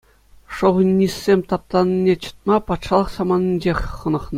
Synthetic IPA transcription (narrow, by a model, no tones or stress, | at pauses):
ʂŏʁnʲːisʲːemʲt̪ɑp̚t̪ɑnʲinʲːet͡ɕɤ̥̆t̪̚mɑpɑt̪ʂɑlˠɤ̆χsɑmɑnʲinʲd͡ʑexʲχɤ̆nɤ̆χnɤ